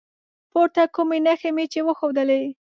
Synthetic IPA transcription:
poɾt̪akumenaxemet͡ʃewəxowd̪əle

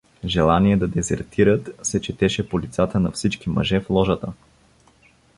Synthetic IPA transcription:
ʒɛlˠaniɛd̪ɐd̪ɛzɛ̰ɾt̪ʰiɾət̪sɛt͡ʃɛt̪ɛʃɛpolit̪sat̪ənɐfsit͡ʃkimɐ̰ʒɛflˠɔʒət̪ə

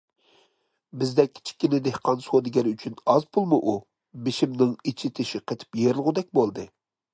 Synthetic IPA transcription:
bɪzd̪ɛkʲːʰi̥t͡ʃʰi̥kʲːinɪd̪ehqʰɑnsod̪ɪɡʲɛɾyt͡ʃʰynɑzpʰulˠmɨʔu | bɪʃimnɪŋit͡ʃʰit̪ʰɪʃiqʰet̪ʰɪ̥pjeɾɪlˠʁʊd̪ɛk̚ʲbolˠd̪ɨ

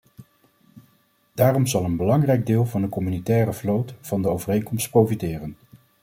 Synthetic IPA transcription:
d̥aːrɔmzɑlˠənbəlɑŋrɛjɡ̚dɪːlˠvɑndəkɔmynitɛːrəvlowtvɑndəowvərejnkɔmstprowfitɪːrən

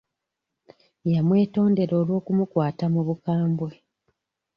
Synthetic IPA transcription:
jamwe̞ːto̞ːnde̞ɾo̞ːlwo̞ːkumukwaːtamuβukaːmbwe

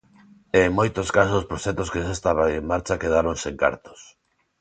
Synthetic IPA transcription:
eŋmojt̪oskas̬osospɾoʃɛt̪oskesest̪aβaŋeŋmaɾt͡ʃakeðaɾoŋseŋka̰ɾt̪o̥s

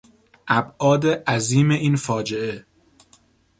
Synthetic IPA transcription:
ʔæbʔɒːd̪e̞ʔæziːme̞ʔiːnfɒːd͡ʒe̞ʔe̞

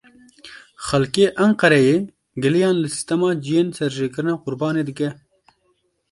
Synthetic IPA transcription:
xɐlkeːʔɐŋqɐɾɐje | ɡəlijɑːnlɨsɪ̥st̪ɐmɑːd͡ʒijensɐɾʒeːkɨɾnaqʊɾbɑːned̪ɨkɛ

